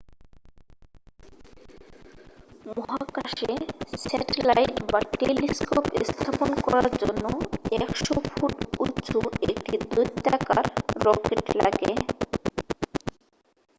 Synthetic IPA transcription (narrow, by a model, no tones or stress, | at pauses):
mɔɦakaʃesɛʈelajʈbaʈeliskopest̪ʰaponkɔɾaɾd͡ʑonːoɛkʃofuʈut͡ɕoek̚ʈid̪ujt̪ːakaɾːɔkeʈla̰ɡe